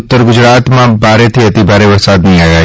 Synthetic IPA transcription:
ʊt̪ːəɾɡʊd͡ʒɾaːt̪mãbaːɾet̪ʰiɐt̪ibʱaːɾeʋɐsaːd̪nɐɦĩaːɡaː

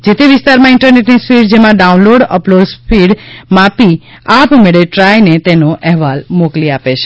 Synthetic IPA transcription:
d͡ʒet̪eʋɪst̪aɾmãɪɳʈəɾneʈnispiɽd͡ʒemãɖaunloɖə̰plozpʰiɽmapi | apmeɭeʈɾajnet̪enoʔɛɦʋalmokliapet͡ʃʰe

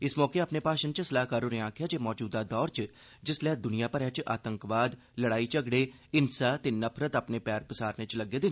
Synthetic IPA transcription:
ɪsmɔːkeaːpneːpaːʃənt͡ʃsəlaːɦkaːɾoːneaːkʰɪjaːd͡ʒeːmɔːd͡ʒuːd̪aːd̪ɔːɾt͡ʃ | d͡ʒɪslɛːd̪ʊnijãːpəɾɛːt͡ʃa̰ːt̪əŋkʋaːd̪ | ləɽaːit͡ʃəɡɽeː | ɪnsaːt̪eːnəpʰɾət̪apneːpɛːɾpəsaːɾneːt͡ʃləɡːeːd̪ɪn

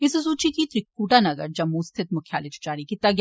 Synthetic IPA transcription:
ɪsɐs̬uːt͡ʃikit̪ɾɪkːuːʈanɐɡəɾd͡ʒɐmːust̪ʰɪt̪̚mʊkʰja̰ːlɪd͡ʒd͡ʒaːɾikit̪ɐɡj

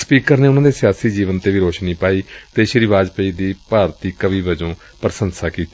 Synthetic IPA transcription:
spiːkəɾneːʊnãːd̪eːsɪjaːsiːd͡ʒiːʋənt̪eːʋiːɾoːʃnĩːpaːiːt̪eːʃəɾɪʋaːd͡ʒpəiːd̪iːpaːɾt̪iːkəbiːbəd͡ʒõː | pəɾəsənsaːkiːt̪ː

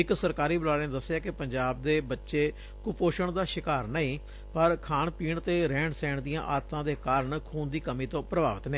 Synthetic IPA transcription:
ɪksəɾkaːɾiːbəlaːlːẽd̪əsːjaːkɪpəɲd͡ʒaːb̚d̪eːbətːʃeː | kʊpoːʃəɳd̪aːʃɪkaːɾnəĩː | pəɾkʰaːɳpiːɳt̪eːɾɛ̃ːɳɖsɛːɳd̪ijãːʔaːt̪ʰãːd̪eːkaːɾəɳkʰuːnd̪iːkəmiːt̪õːpɾəba̰ːʋət̪neː

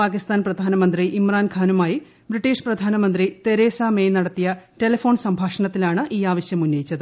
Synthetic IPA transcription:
paːkist̪aːnprɐd̪ʱaːnɐmɐnd̪riʔimraːnkʰaːnumaːji | briʈːiːʂprɐd̪ʱaːnɐmɐnd̪rit̪e̞ɾe̞ːsaːmeːjnɐɽɐt̪ːijɐte̞lɐfo̞ːɳsɐmbʱaːʂɐɳɐt̪ːilaːɳɨʔiːaːʋɐɕjɐmunːɐjit͡ɕːɐðɨ

